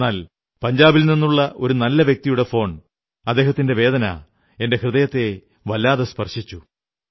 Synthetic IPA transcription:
nːaːl | pɐɲd͡ʑaːbilninːuɭːɐʔo̞ɾunɐlːɐʋje̞k̚t̪ijuɽe̞fo̞ːɳ | ɐd̪ːeːɦɐt̪ːinde̞ʋe̞ːd̪ɐnɐ̰ | e̞nde̞hrɨðɐjɐt̪ːe̞ | ʋɐlːaːðɐspɐrʂit͡ɕːu

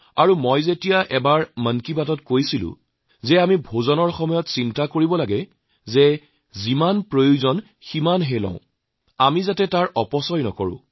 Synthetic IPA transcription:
aɹumojzetijaʔɛbaɹmənkibatɔtkojsilʊ̰̃ | zɛamibʱozɔnɔɹxɔmɔjɔtsintakoɹibɔlaɡɛ | zɛ | zimanpɹojuzɔn | ximanɦelɔ̰̃ʊ̃ | amizatɛtaɹʔɔpɔsɔjnɔ̰kɔɹʊ̰̃

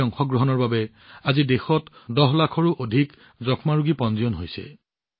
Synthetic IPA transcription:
ɔŋxɔɡɹoɦɔnɔɹbabɛ | azidexɔtdɔɦlakʰɔɹuʔodʱik | zɔkʰmaɹuɡipɔnzijɔnɦojsɛ̰

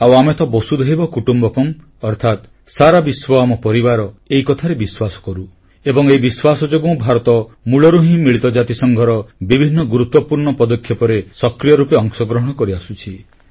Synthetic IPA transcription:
awamet̪ʰɔbɔsud̪ʱeɦibɔkuʈumbɔkɔm | ɔɾt̪ʰat̪ | saɾabiswɔamɔpɔɾibaɾɔeikɔt̪ʰaɾebiswasɔ̥kɔɾu | ebɔŋeibiswasɔd͡ʒoɡũw̃bʱaɾɔt̪ɔ | muɭɔɾuɦĩmiɭit̪ɔd͡ʒat̪isɔŋɡʱɔɾɔbibʱinːɔɡuɾut̪ːɔpuɾɳɔpɔd̪ɔkʰjɔpɔɾesɔkɾijɔɾupeɔŋsɔɡɾɔɦɔɽ̃ɔkɔɾiasut͡ʃʰi

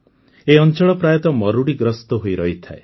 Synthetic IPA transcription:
eɔnt͡ʃɔɭɔpɾajɔt̪ɔmɔɾuɽiɡɾɔst̪ɔɦojɾɔɦit̪ʰae

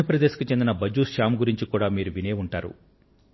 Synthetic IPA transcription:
upɾɐd̪eːsi̥kit͡ʃe̞nd̪inɐbɐd͡ʒuːsʃaːmɡuɾiɲt͡ʃikuːɽaːmiːɾuʋine̞ːuɳʈaːɾṵ

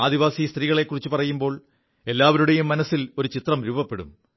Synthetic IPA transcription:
aːd̪iʋaːsist̪riːɣɐɭe̞kːurit͡ɕːupɐrɐjumbo̞ːɭ | e̞lːaːʋɐɾuɽejumːɐnɐsːilo̞ɾut͡ɕit̪rɐmɾuːbɐpːe̞ɽṵm

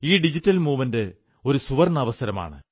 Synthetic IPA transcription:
iːɖid͡ʑitːɐlmuːʋɐnde | o̞ɾusuʋɐrnɐʋɐsɐɾɐma̰ːɳɨ̰

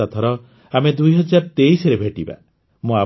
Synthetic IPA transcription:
at̪ʰɔɾɔ | amed̪ujɦɔd͡ʒaɾɔt̪eisɔɾebʱeʈiba̰ | mũa

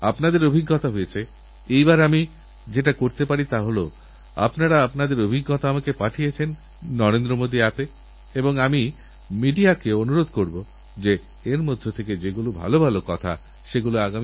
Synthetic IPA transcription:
a̰pnad̪eɾobʱiɡːɔt̪aɦojet͡ɕʰe | ejbaɾami | d͡ʑeʈakoɾt̪epaɽit̪aɦolo̰ | a̰pnaɾaapnad̪eɾobʱiɡːɔt̪aamakepaʈʰijet͡ɕʰenː | ɔɾend̪ɾomod̪iap̪e | eboŋami | miɖiakeoonuɾod̪ʱkoɾbo | d͡ʑe | eɾmod̪ʱːot̪ʰeked͡ʑeɡulubʱa̰lobʱalokɔt̪ʰa̰ | ʃeɡuloaɡami

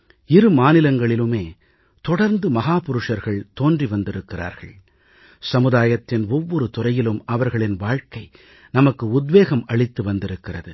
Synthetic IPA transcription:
ɪɾɯmaːnɪlɐŋɡɐɭɪlɯmeː | t̪ɔɽɐɾnd̪ɯmɐɦaːpʊɾɯʂɐɾɣɐɭt̪oːndriʋɐnd̪ɪɾɯkːɪra̰ːɾɣɐ̰ɭ | sɐmɯðaːjɐt̪ːɪnɔʋːɔɾɯt̪ʊrɐjɪlɯmɐʋɐɾɣɐɭɪnʋaːɻkɐɪ | nɐmɐkːɯʊd̪ʋeːɣɐmɐɭɪt̪ːɯʋɐnd̪ɪɾɯkːɪrɐðɯ

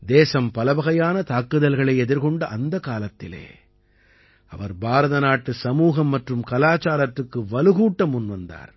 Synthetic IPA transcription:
d̪eːsɐmpɐlɐbɐɣɐjaːnɐt̪aːkːɯðɐlɣɐɭɐɪɛðɪɾɣɔɳɖɐʔɐnd̪ɐkaːlɐt̪ːɪlḛː | ɐʋɐɾbaːɾɐðɐnaːʈːɯsɐmuːɣɐmːɐʈrɯmkɐlaːt͡ʃaːlɐtrɯkːɯʋɐlɯɣuːʈːɐmʊnʋɐnd̪a̰ːɾ

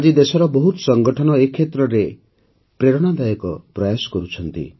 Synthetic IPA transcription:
ad͡ʒid̪esɔɾɔbɔɦut̪sɔŋɡɔʈʰɔñɔekʰːet̪ɾɔɾe | pɾeɾɔɽ̃ad̪ajɔkɔpɾɔjasɔ̥kɔɾut͡ʃʰɔnt̪ḭ

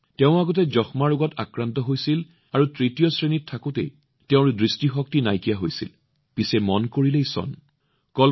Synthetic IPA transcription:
teʊ̃aɡɔt̬ɛzɔxmaɹuɡɔta̰kɹantɔɦojsil | aɹutɹitijɔsɹenitʰːakʊtḛj | teʊ̃ɹdɹistixɔk̚tinajkijaɦojsḭl | pisɛmɔnkoɹilejsɔ̰n | kɔl

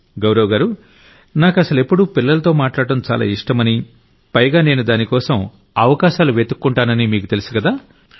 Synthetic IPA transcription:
ɡɐwɾɐwɡaːɾu | naːkɐsɐle̞pːuɽupilːɐlɐt̪o̞ːmaːʈlaːɽɐʈɐmt͡ʃa̰ːla̰ːiʂʈɐmɐni | pɐjɡaːne̞ːnud̪aːnikɔːsɐm | ɐʋɐkaːʃaːluʋe̞ːt̪ukːuɳʈaːnɐnimiːkut̪e̞lisu̥kɐd̪aː

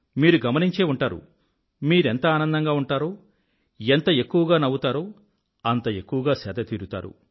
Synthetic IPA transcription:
miːɾuɡɐmɐniɲt͡ʃe̞ːuɳʈaːɾṵ | miːɾent̪ɐaːnɐnd̪ɐŋɡaːuɳʈaːɾo̞ː | ent̪ɐe̞kːuʋɐɡaːnɐwut̪aːɾo̞ː | ɐnt̪ɐe̞kːuʋɐɡaːsɛːd̪ɐt̪iːɾut̪a̰ːɾṵ

